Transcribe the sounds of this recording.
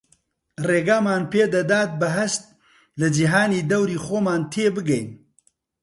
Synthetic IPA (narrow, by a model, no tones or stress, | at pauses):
reːɡaːmaːnpʰeːd̪ɐd̪aːt̪̚bɐɦɐst̪̚ | lɨd͡ʒiɦaːniːd̪ɐwɾiːxoːmaːnt̪ʰeːbɨɡɛjn